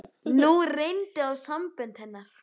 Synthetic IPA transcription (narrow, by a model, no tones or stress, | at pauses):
nurejnt̪ɪawsampʏnt̪hɛnːaɾ̥